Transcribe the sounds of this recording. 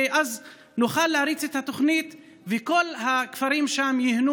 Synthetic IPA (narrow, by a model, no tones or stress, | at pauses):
ʔaz | nuχalːeaɾit͡set̪hat̪o̞χnit̪ | veko̞lhakfaɾimʃamjihnu